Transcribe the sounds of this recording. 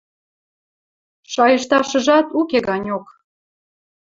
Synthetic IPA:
ʃɑjəʃt̪ɑʃə̆ʒɑt̪ukeɣɑnʲok

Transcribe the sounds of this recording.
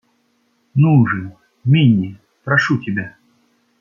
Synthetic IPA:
nuʐɨ | mʲinʲi | pɾaʂutʲɪbʲa

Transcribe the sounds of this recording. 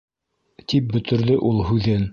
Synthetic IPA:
t̪ip̚bɵ̆t̪ɵ̆ɾðɵʔulˠɦʉðɘn

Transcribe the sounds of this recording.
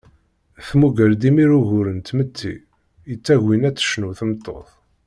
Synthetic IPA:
θmuɡəɾd̪imiɾuʝʊɾənt̪mət̪ʰːḭ | jət͡sːæʝwinæt͡sːə̥ʃnuθəmt̪ˤːo̰θˤ

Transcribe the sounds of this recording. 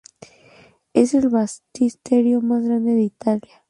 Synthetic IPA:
ese̞lβast̪ist̪eɾjo̞mazɣɾand̪eðeit̪alja

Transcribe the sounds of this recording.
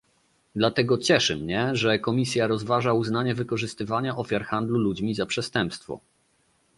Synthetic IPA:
d̪lat̪ɛɡɔt͡ɕɛʂɘmɲɛʐɛkɔmʲisʲjaɾɔzvaʐauznaɲɛvɘkɔʐɘst̪ɘvaɲaʔɔfʲjaɾxand̪lulud͡ʑmʲizapʂɛst̪ɛmpst̪fɔ̰

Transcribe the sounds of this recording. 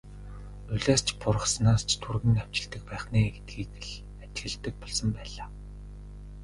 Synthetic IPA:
nuɮaːst͡ɕʰpʊr̆χsnaːst͡ɕʰt̪ʰurɣɘ̆ŋaw̥t͡ɕɪ̆ɮt̪ɘ̆k̚pæːχniːɡet̪̚ɡiːtɘ̆ɮ | ḁt͡ɕɣɘ̆ɮt̪ɘ̆k̚pɔɮsɞ̆mpæːɮaː

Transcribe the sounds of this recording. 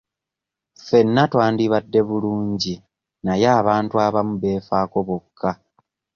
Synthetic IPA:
fe̞nːatwaːndiβadːe̞βuluːɲɟi | najaːβaːntuaβamuβe̞ːfaːko̞βokʰːa

